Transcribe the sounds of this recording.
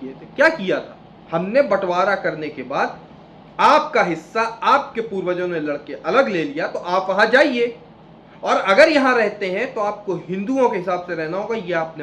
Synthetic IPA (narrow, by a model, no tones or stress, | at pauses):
iet̪ʰekjaːkijat̪ʰaː | hɐmnebɐʈwaːɾakɐɾnekebaːd̪̚ | aːp̚kaɦɪsːaaːp̚kepuːɾwəd͡ʒõnelɐɽkeʔɐləɡleːlijat̪oʔaːpʋɐɦãd͡ʒaːieː | ɔːɾɐɡəɾjɐɦãɾɛɦt̪eɦɛ̃t̪oaːp̚koɦɪ̃nd̪uõkeɦɪsaːbseɾɛɦnaɦoːɡajeaːpne